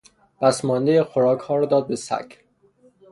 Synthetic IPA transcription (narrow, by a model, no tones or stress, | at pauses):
b̥æsmɒnd̪ejexoɾɒːkhɒːɾɒːd̪ɒːd̪̚besæ̰cʰ